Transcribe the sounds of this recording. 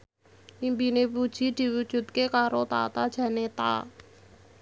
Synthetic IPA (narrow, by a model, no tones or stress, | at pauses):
ʔimpinepud̥ʒ̥i̤d̪̥i̤wud̥ʒ̥ṳt̪̚kekaɾot̪a̰t̪ad̥ʒ̥ä̤net̪a̰